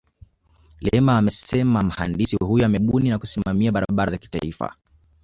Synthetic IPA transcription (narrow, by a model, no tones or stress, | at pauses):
lɛɛmaːmɛsɛmam̩ha̰ndisiwhujɔamɛɓuninakusimamiaɓaɾa̰ɓaɾazaki̥ta̰ifa̰